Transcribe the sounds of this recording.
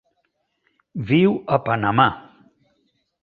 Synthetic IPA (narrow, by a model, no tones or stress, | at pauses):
viwəpanama